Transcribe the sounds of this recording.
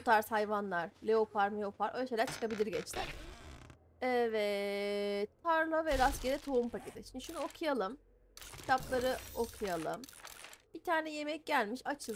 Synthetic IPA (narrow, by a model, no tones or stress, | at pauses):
ut̪ʰaɾshajvanlˠaɾ̥lʲeo̞pʰaɾmeo̞pʰaɾʔo̰jʃe̞jlʲæɾt͡ʃʰɯ̥kabilʲiɾɟɛt͡ʃlʲæ̰ɾ̥ | ɛvɛ | t̪ʰaɾlˠavɛɾasɟeɾɛt̪ʰo̞umpʰacʰet̪ɪʃimnd̪iʃunuo̞kʰujalˠɯm | cʰi̥t̪ʰaplˠaɾɯo̞kʰujalˠɯmb̥it̪ʰaːɾnɛje̞mɛc̚ɟælʲmiʃat͡ʃʰɯ